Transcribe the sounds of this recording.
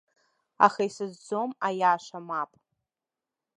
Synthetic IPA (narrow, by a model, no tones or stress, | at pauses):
a̰χaisɨzd͡zomajaːʂʷamapʼ